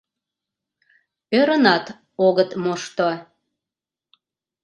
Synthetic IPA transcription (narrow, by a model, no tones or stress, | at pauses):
øɾənɑt̪ | oɣət̪moʃt̪o